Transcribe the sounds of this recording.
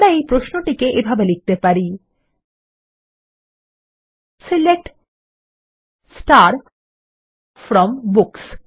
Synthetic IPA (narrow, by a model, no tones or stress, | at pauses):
ɽaejpɾosnoʈikeʔebʱabelik̚t̪epaɾi | silek̚ʈ | sʈaɾ | fɾɔmbuks